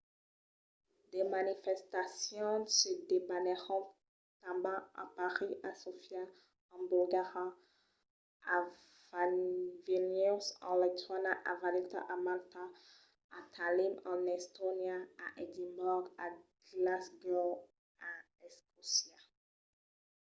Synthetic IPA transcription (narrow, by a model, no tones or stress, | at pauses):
d̪emanifɛst̪asjɔ̃sed̪ebanɛʁɔ̃ | t̪ãbãa̰paʁiasofja | ɑ̃bulɡaʁa | a | vavenysɑ̰̃lɛt̪ʰanaʔavalit̪a̰ʔamalt̪a | at̪ʰalimɑ̃nɛst̪onjaaʔɛd̪imbɔɡaɡlasɡɔl | a | ɛskɔsja